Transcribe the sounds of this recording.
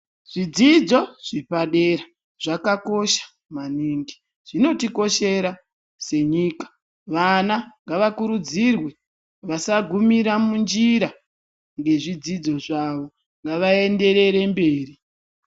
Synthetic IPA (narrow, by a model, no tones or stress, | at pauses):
ʐ̥id͡zid͡zo̞ʐ̥ipaɗeɾa | ʐakako̞ʃḁ | maniːŋɡi | ʐ̥ino̞tiko̞ʃe̞ɾa | se̞ɲiːkḁ | ʋanaŋɡaʋakuɾud͡zirwe | ʋasaɡʱumiɾamund͡ʒiɾa | ŋɡe̞ʐid͡zid͡zo̞ʐaʋo̞ | ŋɡaʋae̞nde̞ɾe̞ɾe̞mbe̞ːri